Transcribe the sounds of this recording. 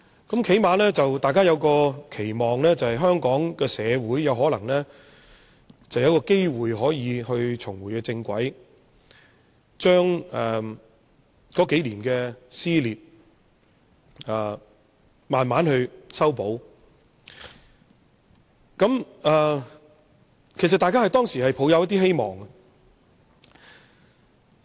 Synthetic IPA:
kɐ˨˥mkʰe˨˥jmaː˨˧nɛː˥t͡sɐ˨wt̪aː˨jkaː˥jɐ˨˧wkɔː˧kʰe˨˩jmɔː˨˩ŋlɛː˥t͡sɐ˨˩hɐ˨jɦœː˥ŋkɔː˨˥ŋkɛː˧sɛː˨˧wuː˨˥jjɐ˨˧wɦɔː˨˥lɐ˨˩ŋlɛː˥ | t͡sɐ˨wjɐ˨˧wkɔː˧ke˥jwuː˨˩jɦɔː˨˥jiː˨˧ɦɵ˧ɥt͡ʃʰʊ˨˩ŋwuː˨˩jkɛː˧t͡sɪ˧ŋkʷɐ˨˥j | t͡ʃœː˥ŋɛː˨˩ | kɔː˨˥ke˨˥jliː˨˩nkɛː˧siː˥liː˨p̚ | ɛ˨˩ | maː˨nmaː˨˥nhɵ˧ɥsɐ˥wpo˨˥w | kɐ˨˥m | ɛː˨˩ | kʰe˨˩s̬ɐ˨t̪aː˨jkaː˥hɐ˨jt̪ɔː˥ŋsiː˨˩hɐ˨jpʰo˨˥wjɐ˨˧wjɐ˥t̪̬̚iː˥ɦe˥jmɔ̰ː˨˩ŋɐ˧

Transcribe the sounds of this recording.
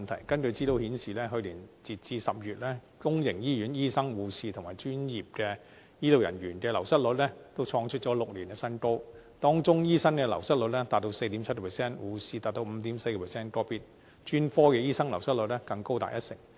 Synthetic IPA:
nt̪ʰɐ˨˩jkɐ˥nkɵ˧ɥt͡siː˥ɾo˧whiː˨˥nsiː˨lɛː˥ɦɵ˧ɥliː˨˩nt͡siː˨t̚t͡siː˧sɐ˨p̚jyː˨t̚lɛː˥ | kʊ˥ŋjɪ˨˩ŋjiː˥jyː˨˥njiː˥sɐ˥ŋwuː˨˧siː˧t̪ʰʊ˨˩ŋmaː˨˩jt͡ʃyː˥njiː˨p̚kɛː˧ | jiː˥lo˨wjɐ̰˨˩nɥyː˨˩nkɛː˧lɐ˨˩wsɐ˥t̚lɵ˨˧t̚lɛ˥t̪o˥wt͡ʃʰɔː˧ŋt͡ʃʰɵ˥t̚t͡ʃɔ˨˥lʊ˨k̚liː˨˩nɛ˧sɐ˥nko˥wt̪ɔː˥ŋt͡ʃʊ˥ŋjiː˥sɐ˥nkɛː˧lɐ̰˨˩wsɐ˥t̚lɵ˨˥t̚lɛ˥t̪aː˨t̚t̪o˧wse˧jt̪iː˨˥mt͡sʰɐ˥t̚kɔ˨pʰɛ˨˩sɛː˥˩nwuː˨˧siː˧t̪aː˨t̚t̪o˧wm̩˨˧t̪i˨˥mse˧jkɔ˧pʰɛ˨˩sɛː˥nkɔː˥piː˥t̚ | t͡ʃyː˥nfɔː˥kɛ˧jiː˥sɐ˥ŋlɐ˨˩wsɐ˥t̚lɵ˨˥t̚lɛ˥kɐ˧ŋko˥wt̪a̰ː˨t̚jɐ˦˥t̚sɪ̰˨˩ŋ

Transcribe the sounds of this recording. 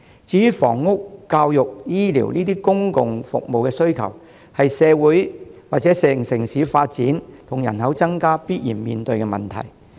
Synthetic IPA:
t͡siː˨˥jy˨fɔ̰ː˨˩ŋːʊ˥kːaː˧wjʊ˨k̚jiː˥lḭː˨˩wniː˥t̪iː˥kʊ˥ŋkʊ˨ŋfʊ̰˨k̚mo˨wkɛː˧sɵ˥ɥkʰɐ̰˨˩w | hɐ˨jsɛː˨˧wuː˨˥jwaː˨k̚t͡sɛː˨˥sɛː˨ŋsɪ˨˩ŋsiː˨˥faː˧t̚t͡siː˨˥nt̪ʰʊ˨˩ŋjɐ̰˨˩nhɐ˨˥wt͡sɐ˥ŋkaː˥piː˥t̚jiː˨˩nmiː˨nt̪ɵ˧ɥkɛ˧mɐ˨˩nt̪ʰɐ̰˨˩j

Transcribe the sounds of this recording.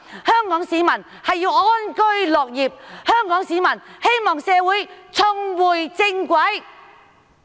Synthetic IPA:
hœː˥ŋkɔː˨˥ŋsiː˨˥mɐ˨˩n | hɐ˨jːiː˧wʔɔː˥nkɵ˥ɥlɔː˨˩k̚jiː˨p̚hœː˥ŋkɔː˨˥ŋsiː˨˥mɐ˨˩nhe˥jmɔː˨˩ŋsɛː˨˧wuː˨˥jt͡sʰɵ˧ŋwuː˨˩jt͡sɪ˧ŋkʷɐ˨˥j

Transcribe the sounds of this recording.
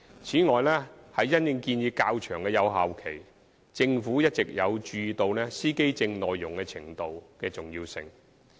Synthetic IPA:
t͡sʰiː˨˥ŋɔː˨jlɛː˥hɐ˨jːɐ˥njɪ˧ŋkiː˧njiː˧kaː˧wt͡ʃʰœː˨˩ŋkɛː˧jɐ˨˧wɦaː˨wkʰe˨˩j | t͡sɪ˧ŋfuː˨˥jɐ˥t̚t͡sɪ˨k̚jɐ˨˧wt͡ʃyː˧t̪o˧wlɛː˥siː˥ke˥jt͡sɪ˧ŋlɔː˨jːʊ˨˩ŋkɛ˧t͡sʰɪ˨˩ŋt̪o˨wkɛː˧t͡sʊ˨˩ŋjiː˧wsɪ̰˧ŋ

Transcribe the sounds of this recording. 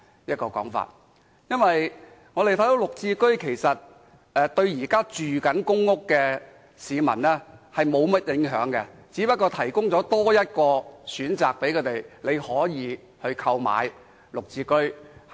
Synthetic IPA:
jɐ˥t̚kɔː˧kɔ̰ː˨˥ŋfa̰ː˨t̚ | jɐ˥nwɐ˨j | ŋɔː˨˧te˨jt̪ʰɐ˨˥jd̪o˨˥wlʊ˨k̚t͡siː˧kɵ˥ɥkʰe˨˩jsɐ˨t̚ | ɛ˧t̪ɵ˧ɥjiː˨˩kaː˥t͡ʃyː˨kɐ˨˥nkʊ˥ŋːʊ˥kːɛː˧ | siː˨˧mɐ̰˨˩nlɛː˥hɐ˨jmo˨˧wmɐ˥t̚jɪ˨˧˥ŋɦœː˨˥ŋkɛ˧t͡siː˨˥pɐ˥t̚kːɔː˧t̪ʰɐ˨˩jkʊ˥ŋt͡sɔː˨˥t̪ɔː˥jɐ˥t̚kɔː˧syː˨˥nt͡sa̰ː˨k̚pe˨˥jkʰɵ˨˧t̪e˨jle˨˧jhɔː˨˥jiː˨˧ | hɵ˧ɥkʰɐ˧wma̰ː˨˧j | lʊ˨k̚t͡siː˧kɵ˥ɥ

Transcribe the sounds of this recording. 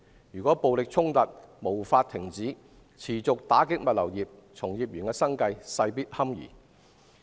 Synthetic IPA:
jyː˨kʷɔː˨˥po˨wlɪ˨k̚t͡sʰʊ˥ŋt̪ɐ˨t̚mo˨˩wfaː˧t̚t̪ʰɪ˨˩ŋt͡siː˨˥ | t͡sʰiː˨˩t͡sʊ˨k̚t̪aː˨˥kɪ˥k̚mɐ˨t̚lɐ˨˩wjiː˨p̚ | t͡sʰʊ˨˩ŋjiː˨p̚jyː˨˩nkɛː˧sɐ˥ŋkɐ˧jsɐ˧jpiː˥t̚hɐ˥mjḭː˨˩

